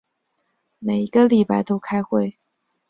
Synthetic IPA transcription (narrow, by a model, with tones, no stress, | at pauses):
me˨˩ɪi˧˥ɡə˧li˨˩pa˥˧ɪt̪o˥ʊkʰa˥ɪxwe˥˩ɪ